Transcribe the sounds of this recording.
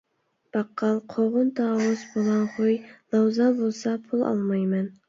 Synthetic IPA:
b̥ɑqʰːɑlˠqʰoʁʊnt̪ʰɑːwʊzbolˠɑnχojlˠɑwzɑnbolˠsɑpʰulˠɑ̰lˠmɑjmɛn

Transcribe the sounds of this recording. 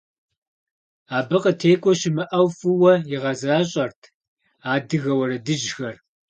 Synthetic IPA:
aːbɨqətʰeːkʷʼɔʃɪmɨʔɐwfɨwɐjɪʁɐzaːɕʼɐrtʰ | aːdɨɣɐwɐrɐdɨʒxɐr

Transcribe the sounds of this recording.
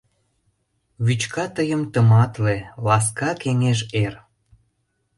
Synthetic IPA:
βyt͡ɕkɑt̪əjəmt̪əmɑt̪lelɑs̬kɑkeŋeʒer

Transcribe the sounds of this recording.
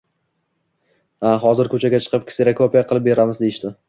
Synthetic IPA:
aɦɒzɪɾkʲʰɵt͡ʃʰaɡʲat͡ʃʰɨ̥qɨp̚kʲʰɪ̥sɪɾakʰopijaqʰɨlˠɪp̚be̞ɾamɪzd̪ejɪʃt̪ɪ

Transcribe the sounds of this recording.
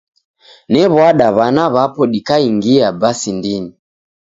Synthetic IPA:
nɛβwaɗaβanaβapɔɗikaiŋɡiabasindiɲi

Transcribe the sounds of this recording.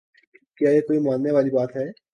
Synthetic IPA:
kjaːjekoːimaːnːeʋaːlibaːt̪ɦɛː

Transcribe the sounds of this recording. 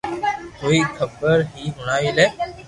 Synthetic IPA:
koːiːkʰəbəɾɦiːɦʊɳ̃aːiːleː

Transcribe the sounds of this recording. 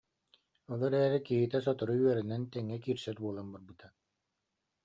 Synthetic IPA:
ɔlˠɔɾɛːɾikiɦit̪ɛs̬ɔt̪ɔɾuyœɾinɛnt̪ɛŋːɛkiːɾsɛɾbuɔlˠanbɔɾbɯt̪ʰa

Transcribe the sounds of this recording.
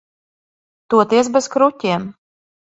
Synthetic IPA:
t̪uɔt̪iɛs̬bɛskɾutʲiɛm

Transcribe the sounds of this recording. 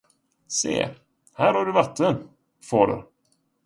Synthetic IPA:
sḛː | hæːɾaɖɵvat̪ʰːən | foːɾə̰ɾ

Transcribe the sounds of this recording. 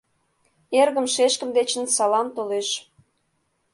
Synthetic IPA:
erɣə̆mʃeʃkə̆md̪et͡ɕə̆nsɑlɑmt̪oleʃ

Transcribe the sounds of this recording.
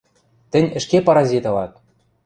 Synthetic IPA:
t̪ɘ̆nʲɘ̆ʃkepɑɾɑzʲit̪ɤ̆lɑt̪̚

